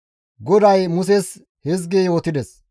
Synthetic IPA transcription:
ɡɔd̪ɐjmʊs̬ɛs | hɛzɡejo̞ːt̪ɪd̪ɛs

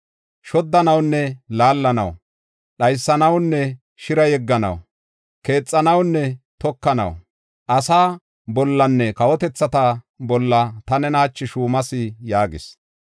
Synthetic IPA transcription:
ʃɔd̪ːɐnɐwnːɛlaːlːɐnɐ̰w | ɗɐjsːɐnɐwnːɛ | ʃɪɾɐjɛɡːɐnɐ̰w | ke̞ːt͡sʼːɐnɐwnːɛt̪ɔkːɐnɐ̰w | ʔɐsaː | bɔlːɐnːɛkɐwɔt̪ɛt͡sːɐt̪ɐ | bɔlːɐt̪ɐnɛnɐhɐt͡ʃːɪʃuːmɐsɪjaːɡɪ̰s

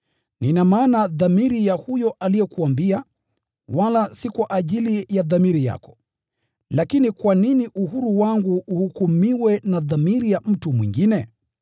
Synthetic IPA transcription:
ninamaːnaðamiɾijahujɔʔalijɛkuambia | walasikwaʔaʄilijaðamiɾija̰kɔ̥ | lakinikwaniniʔuhuɾuwaŋɡuːhukumiwɛnaðamiɾijam̩tumwḭŋɡinɛ

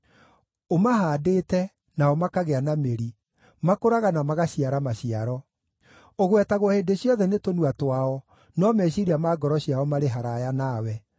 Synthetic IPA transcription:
omaɦaːdeːtɛ | naɔmakaɣeanameɾi | makoɾaɣanamaɣaɕiaɾamaɕiaɾɔ | oɣwɛtaɣwɔheːndeɕjɔðɛnetonuatwaɔ | nɔmɛɕiɾiamaːɡɔɾɔɕijaɔmaɾeɦaɾajanawɛ

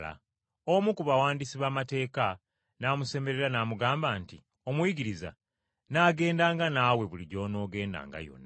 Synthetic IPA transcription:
la̰ | omukuβawaːndisiβaːmate̞ːka | naːmuse̞me̞ɾe̞ɾanamuɡaːmbaːnti | o̞mwiɟiɾiza̰ | naːɡe̞ːndaːŋɡanaːwe̞βuliɟo̞ːno̞ːɡe̞ːnda̰ːŋɡa̰jo̞̰nːa

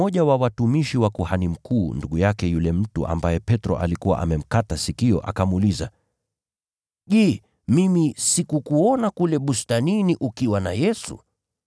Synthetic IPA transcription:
ɔʄawawatumiʃiwakuhanim̩kuːnduɠujakɛjulɛm̩tuʔa̰mbajɛpɛtɾɔ̰ʔa̰likuwa̰ʔa̰mɛm̩katasikiɔ̰ʔa̰kamuliza | ʄɛː | mimisikukuɔnakulɛɓustaniniʔukiwana̰jɛsṵ

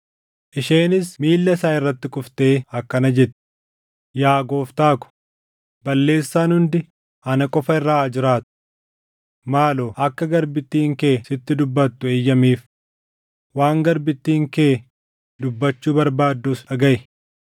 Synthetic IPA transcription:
ʔɪʃe̞ːnɪsmiːlːɐsaːɪrːɐt̪ːɪkʼʊft̪e̞ːɐkːɐnɐd͡ʒɛt̪ːɪ̥ | jaːɡo̞ːft̪aːkʊ̥ | bɐlːe̞ːsːaːnhʊnd̪ɪ | ɐnɐkʼɔfɐɪrːaːd͡ʒɪɾaːt̪ʊ̥ | maːloːʔɐkːɐɡɐɾbɪt̪ːiːŋke̞ːsɪt̪ːɪd̪ʊbːɐt̪ːʊeːjːɐmiːf | waːŋɡɐɾbɪt̪ːiːŋke̞ː | d̪ʊbːɐt͡ʃːuːbɐɾbaːd̪ːusɐɡɐʔɪ

